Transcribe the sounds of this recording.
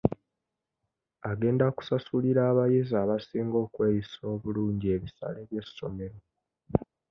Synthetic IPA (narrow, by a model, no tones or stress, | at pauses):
aɡe̞ːndaku̥sasuliɾaːβajizaːβasiːŋɡo̞ːkwe̞ːjiso̞ːβuluːɲɟie̞βisa̰le̞βje̞sːo̞me̞ɾo̞